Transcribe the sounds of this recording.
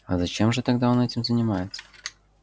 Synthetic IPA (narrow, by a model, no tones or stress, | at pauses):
ɐ̰zɐt͡ɕemʐɨt̪ɐɡd̪ao̞nɛtʲɪmzənʲɪmajɪt̪sə̥